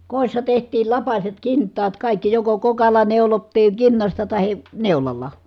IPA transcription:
koˑi̯sːɑ tehtˑiːl lɑpɑset kintːɑːt kɑˑikːi joko kokɑlːɑ neulotːiːŋ kinːɑstɑ tɑhi neulɑlːɑ

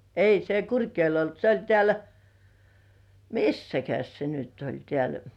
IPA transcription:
ei se kurkjoe̝l olt se olʲ tĕæˑl misːækæs se nyt olʲ tĕæˑl

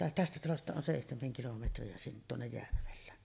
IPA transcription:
tæstæ tɑlostɑ on seˑihtemeŋ kilometriɑ sin tuonːej jærʋelˑæːn

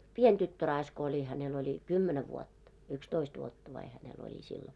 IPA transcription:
pien tytːørɑisk olʲi hænel olʲi kymːenæ ʋuotːɑ ykstoist ʋuotːɑ ʋɑi hænel olʲi silːo

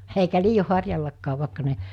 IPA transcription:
eikæ liːjo hɑrjɑlːɑkːɑːʋ ʋɑˑekːɑ ne

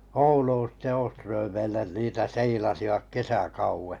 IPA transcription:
ouluːn sitːe oːstrøːmeilen niːtæ seilɑsiʋɑk kesækɑuwe

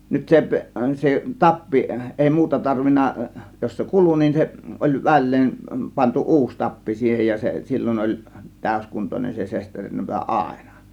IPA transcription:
nyt sep se tɑpːi ʔeˑi muːtɑ tɑrʋinˑɑ jos se kulu nin se ʔolʲ ʋælˑeːn pɑntu ʔuːs tɑpːi siːhej jɑ se silʲːoʔ ʔolʲ tæˑø̝skuntonen se sesterinːɑpɑ ɑˑe̝nɑ

